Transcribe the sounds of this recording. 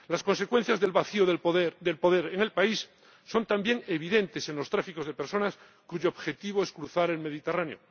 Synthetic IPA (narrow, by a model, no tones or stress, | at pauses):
lasko̞nse̞kwe̞n̟θjazðe̞lβaθioðepoðeɾðelpo̞ðe̞ɾeŋe̞lpaisː | o̞nt̪ambje̞ŋe̞β̞iðe̞nt̪e̞se̞nlo̞st̪ɾafiko̞zðe̞pe̞ɾso̞nas | kuʝoːβxe̞t̪iβ̞o̞eskɾuθaɾe̞lme̞ðit̪eranjo̞̰